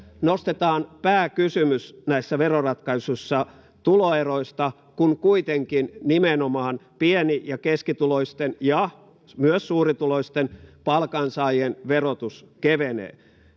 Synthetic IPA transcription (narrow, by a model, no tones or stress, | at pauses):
nost̪et̪ɑːnpæːkysymysnæisːæʋerorɑt̪kɑisusːɑ | t̪uloeroist̪ɑ | kunkuit̪eŋkinnimenomɑːnpienijɑkeskit̪uloist̪enjɑ | myøssuːrit̪uloist̪enpɑlkɑnsɑːjenʋerot̪us | keʋenḛː